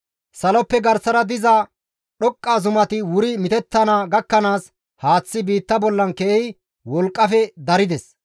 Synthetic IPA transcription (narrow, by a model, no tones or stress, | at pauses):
sɐlɔpːɛɡɐɾsɐɾɐd̪ɪzɐ | ɗɔkʼːaːzʊmɐt̪ɪwʊɾɪmɪt̪ɛt̪ːɐnaɡɐkːɐnaːs | haːt͡sːɪbiːt̪ːɐbɔlːɐnkɛʔɛj | wɔlkʼːɐfɛd̪ɐɾɪd̪ɛs